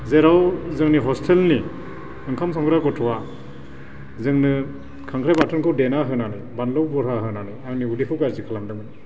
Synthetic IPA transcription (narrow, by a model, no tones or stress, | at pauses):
zeɾawzɯŋniɦɔstʰelni | ɯŋkʰamsɔŋɡɯɾakɔtʰɔwa | zɯŋnɯ | kʰaŋkʰɾajbatʰɔnkʰɯwdenaɦɯnanɯ | banlɔwbɔɾɦaɦɯnanɯaŋniudipʰɯkaɾzikʰalamdɯŋni